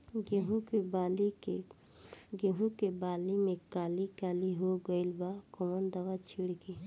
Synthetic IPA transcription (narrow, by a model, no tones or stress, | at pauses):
ɡeɦũkebalike | ɡeɦũkebaːlimẽkaːlikaːliɦoɡəɪlbakomənd̪aʋat͡ʃʰiɽki